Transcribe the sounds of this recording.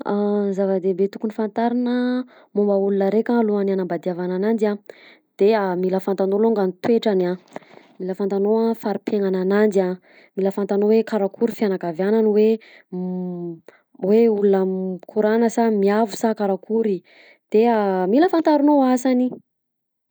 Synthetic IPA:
azavəd̪ebet̪u̥kunifant̪aɾinə | mumbəulunəɾekaluananambad̪iavananand͡ʒ̪ia | d̪̥eamiləfant̪anoloŋɡanit̪weʈ͡ʂana | miləfant̪anoafaɾipeŋananand͡ʒ̪ia | miləfant̪anowekaɾakʰuɾifianakavjananiwe | weulunəkʰuɾanəsamiavu̥sakaɾakuɾi | d̪̥eamiləfant̪aɾunoasani

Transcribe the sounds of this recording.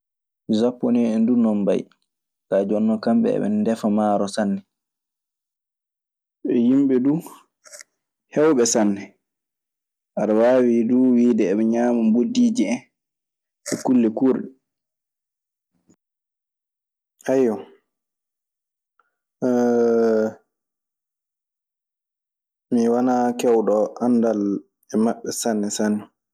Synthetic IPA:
zapːɔnɛɛndunɔmba̰j | kad͡ʒɔnːɔkamɓɛ̰ɛ̰ɓɛ̰nndɛfamaːɾɔsanːɛ | ɓɛjimɓɛduː | hɛwɓɛsanːɛ | ʔaɗawaːwiduwiːdɛːɓɛɲaːmambodiːd͡ʒiɛn | ɛkulːɛkuɾɗɛ | hajɔ | miwanakɛwɗɔandal | ɛmaɓːɛsanːɛsanːɛ

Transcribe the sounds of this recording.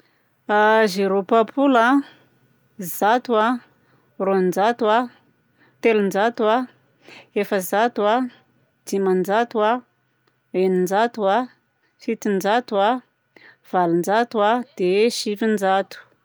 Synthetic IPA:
azeɾopapʰula | zat̪ua | rond͡ʒat̪wa | t̪elund͡ʒat̪ua | efəzat̪ua | d͡zimand͡ʒat̪ua | enind͡ʒat̪ua | fit̪ind͡ʒat̪ua | v̥alind͡ʒat̪uad̪̥eʃifind͡ʒat̪u̥

